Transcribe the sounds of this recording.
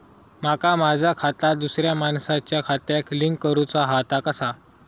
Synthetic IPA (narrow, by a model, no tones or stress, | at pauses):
makamad͡ʑʱakʰat̪ad̪usɾjamansat͡ɕjakʰat̪jakliŋkːəɾut͡saɦat̪akəsa